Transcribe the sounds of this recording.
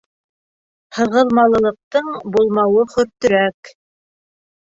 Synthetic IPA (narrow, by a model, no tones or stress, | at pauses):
hɤ̆ʁɤ̆lˠmɑlˠɤ̆lˠɤ̆q̚t̪ɤɴbulˠmɑwɤχɵ̆ɾt̪ɵ̆ɾæk